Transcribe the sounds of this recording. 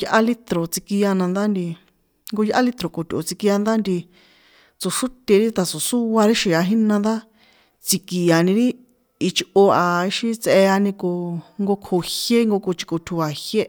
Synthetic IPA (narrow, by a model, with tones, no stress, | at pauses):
jʔa˦li˦t̪ɾo˨t͡si˧ki˧a˧nã˧nd̪a˦nd̪i˧ | ŋɡo˧jʔa˦li˦t̪ɾo˨ko˨t̪ʲʔo̰˨t͡si˧ki˧a˧nd̪a˦nd̪i˧ | t͡so˨ʂu˦t̪ʲe˧ɾi˦t̪a˨so˨su˦wa˧ɾi˦ʃi˨a˧ɦi˦nã˧nd̪a˦ | t͡si˧ki˨a˨nĩ˧ɾi˦ | i˧t͡ʃo˧a˨i˧ʃi˦˧t͡se˧a˧nĩ˧ko˧ŋɡo˧kʰo˨hje˦ŋɡo˧ko˧t͡ʃi̥˧ko˧t̪ʲʰu˧a˨hje˦